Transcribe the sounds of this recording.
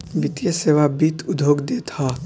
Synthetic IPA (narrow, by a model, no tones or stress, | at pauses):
bit̪ijəseːʋabit̪ʰʊd̪ʱjoːɡd̪et̪ʰa